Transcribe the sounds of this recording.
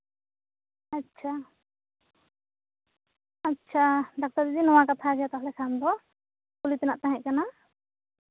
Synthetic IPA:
atːt͡ʃʰa | atːʃʰaɖak̚t̪aɾd̪id̪inɔwakat̪ʰaɡɛjat̪aɦlɛkʰamd̪ɔ | pulit̪ɛnaʔt̪aɦɛc̚kana

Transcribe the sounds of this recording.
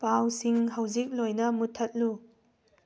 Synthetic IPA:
pawsiŋhɐwzik̚lojnɐmut̪ʰɐt̚lu

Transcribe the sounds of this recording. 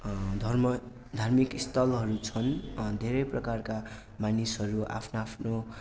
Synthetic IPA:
d̪ʱʌrmʌ | d̪ʱarmikist̪ʌlɦʌɾut͡sʰʌnd̪ʱeɾʌjprʌkarka | manisɦʌɾua̰pʰnoapʰno

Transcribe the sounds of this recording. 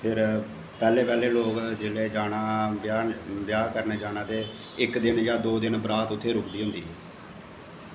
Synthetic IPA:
pʰɪɾ | pɛːleːpɛːleːloːkd͡ʒɪleːd͡ʒaːɽaːjaːbjaːkəɾneːd͡ʒaːnãːt̪eː | ɪkd̪ɪnjaːd̪oːd̪ɪnbəɾaːt̪ʊt̪ʰːeːɾʊkd̪iːɦʊ̃nd̪ḭːɦɛː

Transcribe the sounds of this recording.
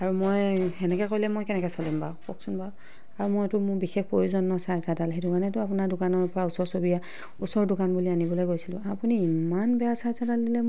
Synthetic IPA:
aɹumojɛnɛkɛkojlɛmojkɛnɛkɛsɔlimba̰pɔksunba | aɹumojtʊmʊbixex̚pojuzɔnːɔsajzadalxejdʊkanɛtʊapʊnaɹdʊkanɔɹpɔɹausɔɹsobija | usɔɹdʊkanbulianibɔlojɡojsilʊ̰̃apuniːmanbɛjasaɹzadaldilɛ

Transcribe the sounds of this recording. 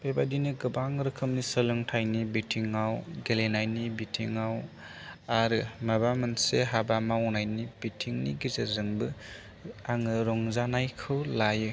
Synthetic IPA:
b̥ebadinɯɡɯbaŋɾɯkʰɯmnisɯlɯŋtʰajnibitʰiŋawɡelenajnibitʰiŋaw | aɾɯmabamɯnseɦabamawnajnibitʰiŋniɡizezɯŋbɯ | aŋɯɾɔŋzanajkʰɯwlajɯ

